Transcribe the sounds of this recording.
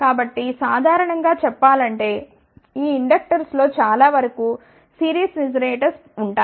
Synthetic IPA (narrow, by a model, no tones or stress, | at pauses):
kaːbɐʈːisaːd̪ʱaːɾɐɳɐŋɡaːt͡ʃɛpːaːlɐɳʈe̞ː | iːiɳɖɐk̚ʈɐɾslo̞ːt͡ʃaːlaːʋɐɾɐkuː | siːɾiːsnid͡ʒɐɾeːʈɐɾs | uɳʈaː